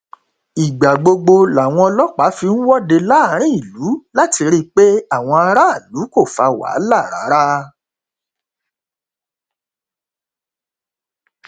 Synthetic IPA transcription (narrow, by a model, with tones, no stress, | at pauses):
i˨ɡ͡ba˨ɡ͡bo˧ɡ͡bo˧la˨w̃ɔ̃˧lɔ˦k͡pa˨˦fi˧ñ̩˦wɔ˦de˧la˦˧˦ɾ̃ĩ˦i˦˨lu˨˦la˦ti˧ɾi˦k͡pe˦a˦˨w̃ɔ̃˧a˧ɾa˦a˦˨lu˨˦ko˦˨fa˧wa̰˨˦la˦˨ɾa̰˨˦ɾa˦